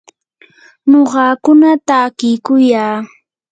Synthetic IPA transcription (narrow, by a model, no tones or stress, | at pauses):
noɢɑːkʊnat̪akɪjkʊjaː